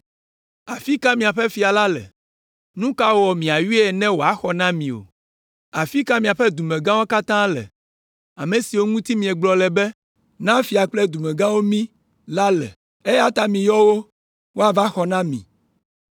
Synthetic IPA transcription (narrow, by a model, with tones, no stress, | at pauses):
a˨fi˦ka˦mĩ˨a˨ɸɛ˦fi˨a˨la˦lɛ̰˨ | nũ˦ka˦wwɔ˨mĩ˨a˨ju˦ɛ˨nɛ̃˦wo˨a˦xɔ˨nã˦mĩ˨o̰˨ | a˨fi˦ka˦mĩ˨a˨ɸɛ˦d̪u˨mɛ̃˨ɡã˦wo˦ka˦t̪ã˦lɛ̰˨ | a˨me˨si˨wo˦ŋũ˦t̪i˦mĩ˨ɛ˨ɡ͡blɔ˨lɛ˨bɛ˦ | nã˦fi˨a˨k͡plɛ˦d̪u˨mɛ̃˨ɡã˦wo˦mĩ˦ | la˦lɛ̰˨ | e˦ja˦t̪a˨mĩ˨jɔ˦wo˦ | wo˦a˨va˦xɔ˨nã˦mḭ̃˨